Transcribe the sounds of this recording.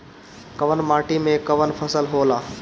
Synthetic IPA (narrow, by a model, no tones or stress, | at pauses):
kəʋənmaʈimekəʋənpʰəsəlɦola